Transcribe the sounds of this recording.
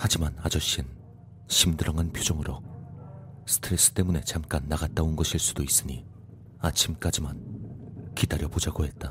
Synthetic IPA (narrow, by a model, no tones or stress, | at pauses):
had͡ʑimanad͡ʑʌɕ͈in | ɕʰimdɯɾʌŋanpʰjod͡ʑʌŋɯɾo̰ | sʰɯ̥tʰɯɾe̞s͈ɯ̥t͈e̞mune̞t͡ɕamk͈anːaɡat̚t͈aonɡʌɕʰiɭs͈udois͈ɯɲi | at͡ɕʰimk͈ad͡ʑiman | kidaɾjʌbod͡ʑaɡoɦe̞t̚t͈a